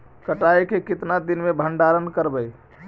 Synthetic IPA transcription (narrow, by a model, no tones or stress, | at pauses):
kəʈajkekɪt̪nad̪inmebʱəɳɖaɾənkəɾbəj